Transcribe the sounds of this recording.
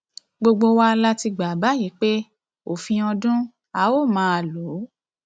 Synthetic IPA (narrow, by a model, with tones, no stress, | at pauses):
ɡ͡bo˧ɡ͡bo˧wa˧la˦ti˧ɡ͡ba˨ba˨˦ji˨˦k͡pe˦ | o˨fĩ˧ɔ̃˧dũ˦ | a˦o˦˨mãː˦a˧˨lo˨˦